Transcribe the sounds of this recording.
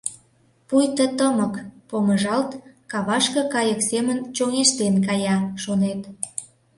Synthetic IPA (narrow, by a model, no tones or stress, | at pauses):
pujt̪ət̪əməkpoməʒɑlt̪kɑβɑʃkɤ̆kɑjəksemənt͡ɕoŋeʃt̪enkɑjɑʃonet̪